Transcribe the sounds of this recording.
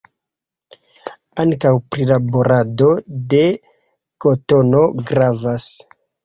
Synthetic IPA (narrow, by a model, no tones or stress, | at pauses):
aŋkawpɾilaboɾʔado̞de̞ | ko̞to̞no̞ɡɾavas